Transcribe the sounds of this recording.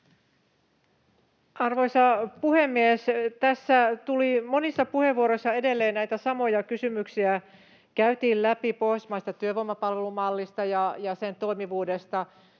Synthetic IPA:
ɑrʋo̞jsɑpuhemːiest̪æsːæt̪ulimonisːɑpuheʋːuoɾojsːɑede̞lːeːnnæjt̪æsɑmo̞jɑkysymyksiæ | kæyt̪iːllæpipohjsmɑist̪ɑt̪yøʋomːɑpɑlʋelumɑlːist̪ɑjɑjɑsent̪o̞imiʋuːdest̪ɑ

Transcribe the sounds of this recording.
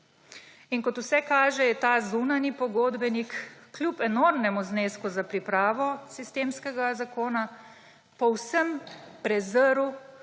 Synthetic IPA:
iŋkɔt̪usɛkaːʒɛjɛt̪aːzunanipɔɡoːd̪bɛnikːlʲjupɛnoɾmnɛmuzneːskuzapɾipɾaːʋɔsist̪eːmskɛɡazakoːna | pɔwsəmpɾɛzəɾu

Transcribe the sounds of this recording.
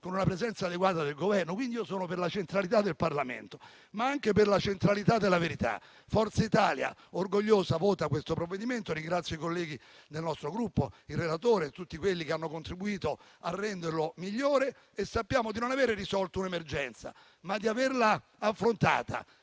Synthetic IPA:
konunapɾezɛnt̪saːd̪eɡwaːt̪ad̪elɡovɛrnokwind̪iiːosoːnoperlat͡ʃent̪ɾalit̪̬ad̪ːelparlamḛnt̪o̥ | maaŋkeperlat͡ʃent̪ɾalit̪ad̪elːaveɾit̪a̰ | fɔrt̪sait̪aːlja̰orɡoʎːoːzavoːt̪akwest̪opɾovːed̪iment̪oɾiŋɡɾat̪sjoikolːɛːɡi | d̪elnɔst̪ɾoɡɾupːoirːelat̪oːɾet̪ːut̪ːikwelːikeanːokont̪ɾibuiːt̪o | arːɛnd̪erlomiʎːoːɾe | esːapːjaːmod̪inonaveːɾerisɔlt̪ounemerd͡ʒɛnt̪sa̰ | mad̪ːiaverla | afːɾont̪a̰ːt̪a̰

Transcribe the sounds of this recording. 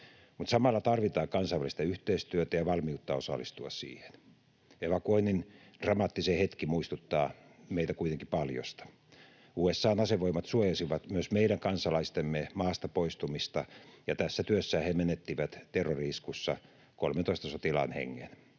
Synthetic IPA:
mut̪sɑmɑlːɑt̪ɑrʋit̪ɑːkɑnsɑiʋælist̪ɑyht̪eist̪yøt̪æjɑʋɑlmiut̪ːɑosɑ̰lːist̪uɑ̰ssḭːhe̥n | eʋɑkuoinːin | d̥rɑmɑːt̪ːisehet̪kimuist̪ut̪ːɑː | meit̪ækuit̪eŋkipɑljo̰st̪ɑ̥ | uːesːɑːnɑseʋoimɑt̪suojɑsiʋɑt̪myøsmeiɾæŋkɑnsɑlɑist̪emːemɑːst̪ɑpoist̪umist̪ɑjɑt̪æsːæt̪yøsːæːhemenet̪ːiʋæt̪t̪erːoriskusːɑ̰ | kolment̪oˑist̪ɑsot̪ilɑ̰ːnhḛŋːḛn

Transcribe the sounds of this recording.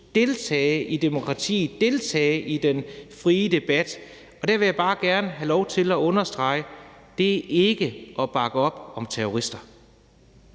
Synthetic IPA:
d̥e̝lt͡sʰɛːɪʔid̥e̝mo̝kʰʁɑ̈t͡sʰḭːd̥e̝lt͡sʰɛ̰ːɪʔid̥enfʁiːd̥e̝b̥æd̥ | ɒ̽d̥æɐʋe̝jäb̥ɑ̈ːɡ̥æɐnəɦælɒʊt͡sʰe̝læɔ̽nɐsd̥ʁɑ̈ɪ̰d̥e̝æʔe̝ɡ̥əʔɒ̽b̥ɑ̈ɡ̥əɒ̽b̥ɒ̽mt͡sʰeɐoʁisd̥ɐ

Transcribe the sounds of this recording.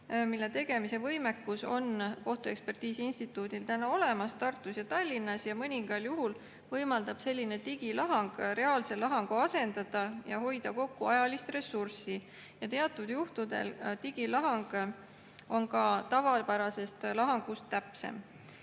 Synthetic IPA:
milːe̞t̪e̞ɡe̞mise̞vɤjme̞kːuso̞nko̞ht̪ue̞kspe̞rt̪iːsiinst̪it̪ːˑuːd̪̥ilt̪ænɑo̞le̞mɑst̪ɑrt̪ːˑusjɑt̪ɑlʲːinːɑsjɑmɤnʲiŋɡ̥ɑljuɦul | vɤjmɑld̪̥ɑb̥se̞lʲːine̞t̪iɡ̥ilɑɦɑŋɡ̥re̞ɑːlse̞lɑɦɑŋɡ̥uɑse̞nd̪ɑd̪̥ɑjɑɦo̞jd̪̥ɑko̞kːuɑjɑlist̪re̞sursi | jɑt̪e̞ɑt̪ːˑud̪̥juht̪ud̪e̞̰lt̪iɡ̥ilɑɦɑŋɡ̥ | o̞nkɑt̪ɑvɑlpæɾɑse̞st̪lɑɦɑŋɡ̥ust̪ːæpsḛm

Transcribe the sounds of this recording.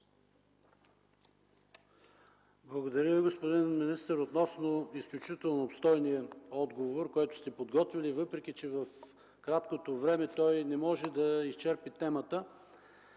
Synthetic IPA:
blˠɐɡod̪ɐɾʲjəviɡospod̪inminist̪əɾot̪nɔsnoisklʲut͡ʃit̪ɛlˠnoopst̪ɔjniəɔd̪ɡovoɾkɔjt̪ʊ̥st̪ɛpod̪ɡɔt̪vʲilivɤpɾɛk̟ʲit͡ʃɛvɐf | kɾat̪kot̪ovɾɛmɛt̪ɔjnɛmɔʒɛd̪ɐist͡ʃɛɾpit̪ɛmət̪ə

